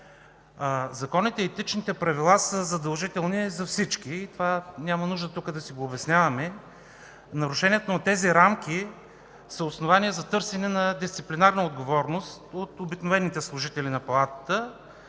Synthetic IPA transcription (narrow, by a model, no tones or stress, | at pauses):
zɐkɔnit̪ɛiːt̪it͡ʃnit̪ɛpɾɐvilˠasəzɐd̪ɐlˠʒit̪ɛlˠnizɐfsit͡ʃkiːt̪ovanʲamɐnuʒd̪ət̪ukəd̪ɐsiɡoːbɛsnʲjavɐmɛ | nɐɾʊʃɛnʲiɛt̪onɐt̪ɛziɾamk̟ʲi | səosnovaniɛzɐt̪ɤɾsɛnɛnɐd̪ist̪siplʲinaɾnəod̪ɡovɔɾnost̪ot̪obiknovɛnːit̪ɛslˠʊʒit̪ɛlinɐpɐlˠat̪ə̥t̪ə